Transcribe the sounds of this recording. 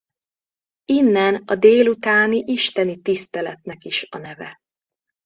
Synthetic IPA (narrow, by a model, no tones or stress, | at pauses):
inːɛnɒd̪eːlut̪aːniʔiʃt̪ɛnit̪ist̪ɛlɛt̪nɛkiʃɒ̰nɛvɛ̰